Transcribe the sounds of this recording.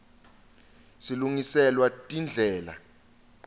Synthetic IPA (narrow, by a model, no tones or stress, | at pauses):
siluŋisɛlwatʼind͡ɮʱɛːla̰